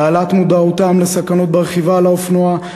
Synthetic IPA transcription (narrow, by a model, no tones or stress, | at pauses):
alat̪mud̪aot̪amlesakano̞t̪̚beʁeχivalaofnoa